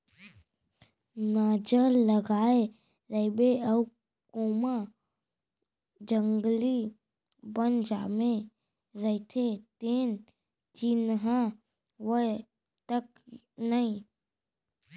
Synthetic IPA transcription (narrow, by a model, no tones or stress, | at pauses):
naːd͡ʒəɾləɡaːe | ɾəɪbeəʊ | koːma | d͡ʒəŋɡli | bənd͡ʒa̰ːmẽ | ɾəɪt̪ʰet̪eːn | d͡ʒɪnɦã | ʋə | t̪ək̚ | nəĩ